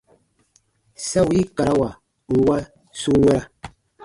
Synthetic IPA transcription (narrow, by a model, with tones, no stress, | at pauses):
sa˦wi˦ka˨ɾa˦wa˨ | wa˦ | su˦wɛ˦ɾa˦